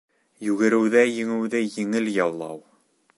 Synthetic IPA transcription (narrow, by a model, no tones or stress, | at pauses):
jʉɡɘ̆ɾɘ̆wðæjɘ̆ŋɘ̆wðæjɘ̆ŋɘljɑlˠːɑ̰w